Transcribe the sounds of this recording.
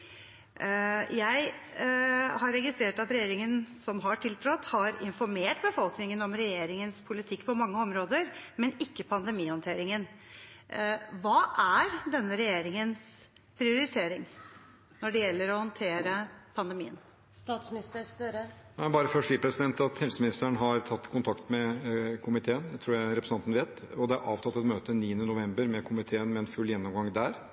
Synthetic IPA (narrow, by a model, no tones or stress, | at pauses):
jæɪ | hɑɾɛɡɪst̪ɾeːʈɑt̪ɾɛjeːɾɪŋənsɔmɦɑʈʰɪlt̪ʰɾɔt̪ːhɑɾɪ̰nfɔɾmeːʈbəfɔlknɪŋənɔmɾɛjeːɾɪŋənspʰʊlɪt̪ʰɪkːpʰɔmɑŋːəɔmɾoːd̪əɾmɛnɪkːəpʰɑnd̪ɛmiːhɔnt̪ʰeːɾɪŋən | ʋɑːʔæɾd̪ɛnːəɾɛjeːɾɪŋəns | pʰɾɪʊɾɪt̪ʰeːɾɪŋ | nɔɖɛjɛlːəɾɔhɔnt̪ʰeːɾəpʰɑnd̪ɛmiːən | st̪ɑːt̪smnɪst̪əst̪øɾənæɪbɑːɾəfɔʂiːpʰɾɛsɪd̪ɛnt̪ɑt̪hɛlsəmɪnɪst̪əɳɦɑɾt̪ʰɑt̪ːkʰʊnt̪ʰɑkt̪mɛkʰʊmɪt̪ʰeːənæt̪ʰɾuːɾjæɪɾɛpɾəsnɑnt̪ənʋeːt̪ɔd̪ɛæɾʔɑːʋt̪ʰɑt̪ːɛt̪møːt̪əniːənənʊʋɛmbəɾmɛkʰʊmɪt̪ʰeːənmɛːnfʉlːjɛnːɔmɡɑŋd̪æɾ